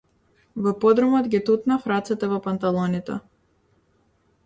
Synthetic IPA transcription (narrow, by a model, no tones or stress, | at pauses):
vɔpɔd̪ɾɔmɔd̪ɡit̪ut̪nafɾat̪sɛt̪ɛvɔpant̪alˠɔnit̪ɛ̰